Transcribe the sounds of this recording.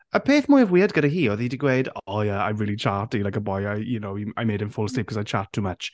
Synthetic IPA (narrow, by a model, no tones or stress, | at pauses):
əpʰeːθmʊjəvwiːədɡəɾəɦiːoðidiɡwejdɔjɛa̰jmɹiːlˠit͡ʃʰaːtilakəbɔjajjunowiajmejdɨ̃nfʊlˠstɪp̚kʰɔzajt͡ʃʰaːtʰːuːmət͡ʃ